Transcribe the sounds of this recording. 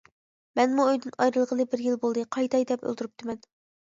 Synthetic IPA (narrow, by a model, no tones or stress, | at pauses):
mɛnmuøjd̪ɨnɑjɾɨlˠʁəlˠɨbɪɾjilˠbolˠd̪ɨqʰɑjt̪ʰɑjd̪ɛpø̰lˠt̪uɾup̚t̪ʰɨmɛn